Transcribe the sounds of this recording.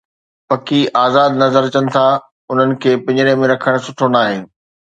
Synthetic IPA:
pɐkiaːzaːd̪nɐzəɾt͡ɕɐnɪ̆t̪ʰa | ʊn̤ənɪ̆kʰeːpɐ̃ɲɾẽmẽɾɐkʰəɽ̃sʊʈʰonaːɦɪnɪ̆

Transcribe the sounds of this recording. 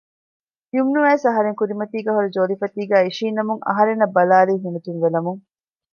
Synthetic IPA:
t̪iumnuʋæːsɐɦɐɾeŋkuɾimɐt̪iːɡæːɦoɾid͡ʒoːlifɐt̪iːɡæːiʃiːnːɐmuŋɐ̰ɦɐɾenːɐbːɐlaːliːɦumut̪inʋelɐmuŋ

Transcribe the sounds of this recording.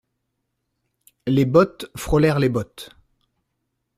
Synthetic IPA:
lebɔt̪fχɔlɛʁlebɔt̪

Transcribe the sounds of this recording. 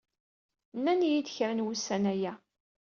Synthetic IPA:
nːænjid̪çɾənwusːænæjæ

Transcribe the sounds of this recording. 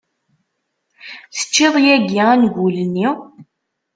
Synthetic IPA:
θə̥t͡ʃːɪðˤjæɡiænɡuləni

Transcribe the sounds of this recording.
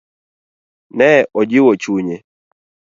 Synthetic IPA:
nɛʔɔd͡ʒɪwɔt͡ʃuɲe

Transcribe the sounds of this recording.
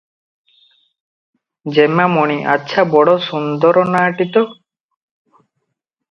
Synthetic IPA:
d͡ʒemamɔɽ̃iʔa̰tːʃʰabɔɽɔsund̪ɔɾɔnaːʈit̪ɔ

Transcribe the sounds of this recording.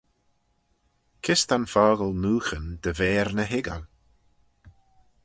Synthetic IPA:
kʰɪst̪anfɔːɣəlnuːxənd̪əvɛːɾnəɦɪɡə̰l

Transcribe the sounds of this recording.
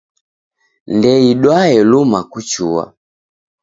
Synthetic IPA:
ndɛiɗwaɛlumakut͡ʃuwa̰

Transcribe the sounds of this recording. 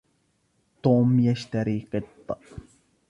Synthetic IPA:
t̪oːmjaʃt̪aɾiːqet̪ːɑ

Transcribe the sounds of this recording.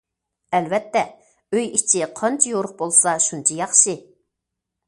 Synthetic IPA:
ɛlvɛt̪ːɛ | øjit͡ʃʰiqʰɑnt͡ʃʰijoɾʊχ̚bolˠsɑʃunt͡ʃʰɑjɑχʃɨ

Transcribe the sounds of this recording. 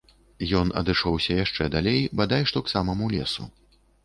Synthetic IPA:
jɔnɐ̰d̪ɨʂɔwsʲɐjaʂt͡ʂɛd̪alʲejbad̪ajʂt̪ɔksamɐmulʲɛsṵ

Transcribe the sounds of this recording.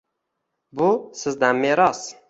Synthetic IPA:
bʊsɪzd̪anmeɾɒs

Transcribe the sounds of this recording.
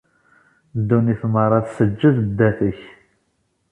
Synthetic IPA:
d̪ːuniθməɾˤɑθsəd͡ʒːəðd̪ːæθəç

